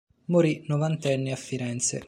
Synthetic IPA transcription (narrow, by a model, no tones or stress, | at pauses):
moɾinovant̪ɛnːiafːiɾɛnt̪sḛ